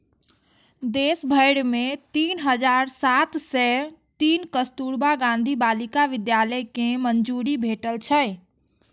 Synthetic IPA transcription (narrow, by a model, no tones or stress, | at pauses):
d̪esbʱəɪɽmet̪iːnɦəd͡ʒaɾsat̪sɛt̪iːnkəst̪uɾbaɡãnd̪ʱibalikaʋɪd̪jaləjkemənd͡ʒuɾibʱeʈəlt͡ʃʰə